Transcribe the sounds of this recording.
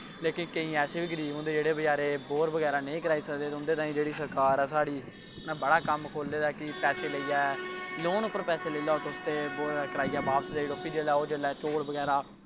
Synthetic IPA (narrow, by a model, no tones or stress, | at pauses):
leːkɪnkəĩːɛːseːbɪɡəɾiːʊ̃nd̪eːd͡ʒeːɽeːbəd͡ʒaːɾeːboːɾbəɡɛːɾaːnəĩːkəɾaːiːsəkd̪eːt̪ːʊnd̪eːt̪aːĩːd͡ʒeːɽiːsəɾkaːɾɛːsaːɽiː | nãːbəɽaːkəmkʰoːld̪eːd̪aːkɪpɛːseːləiːɛːloːnʊpːəɾpɛːseːləiːlaːoːt̪ːʊst̪eːboːɾkəɾaːiːjaːbaːpt̪d̪eːiɖoːpʰːiːd͡ʒeːlɛːoːd͡ʒeːlɛːt͡ʃoːɽbəɡɛːɾaː